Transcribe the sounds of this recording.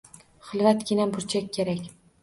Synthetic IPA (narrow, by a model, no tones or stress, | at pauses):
χɨlˠvat̪ɡʲɪnabʊɾt͡ʃʰakʲːʰeɾakʲ